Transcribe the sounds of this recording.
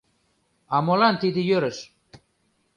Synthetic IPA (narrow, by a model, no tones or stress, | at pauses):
amolant̪id̪ijøɾəʃ